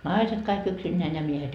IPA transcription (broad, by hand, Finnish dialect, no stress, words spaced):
nɑiset kɑik yksinːeæn jɑ miehet